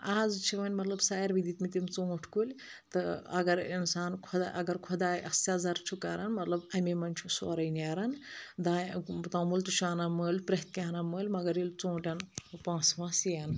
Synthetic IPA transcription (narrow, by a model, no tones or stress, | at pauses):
aːzt͡ʃʰimɐnʲmɐt̪lɐbsaːjɐɾʋid̪it̪mit̪imt͡sõːʈʰkulʲ | t̪ɨɐ̰ɡɐɾinsaːnkʰɔd̪aɐɡɐɾkʰod̪aːjʔɐsʲaːzɐɾt͡ʃʰukɐɾɐnmɐt̪lɐbɐmemɐnʲt͡ʃʰusoːɾɐjnaːɾɐnd̪aːt̪ɐmulʲt̪ut͡ʃʰuaːnaməːlʲpɾɐɦt̪̚kʲaːnaməːlʲmɐɡɐɾilʲt͡sõːʈʲɐnpãːsʋɐ̃ːsijɐn